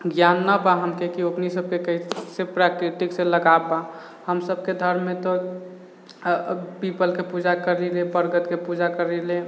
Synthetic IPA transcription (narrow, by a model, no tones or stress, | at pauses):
ɡjanːabaɦəmkekiopnisəb̚kekəisepɾakɾiʈikseləɡaba | həmsəb̚ked̪ʱəɾmẽt̪ɔ | pipəlkepud͡ʒakəɾilebəɾɡət̪kepud͡ʒakəɾile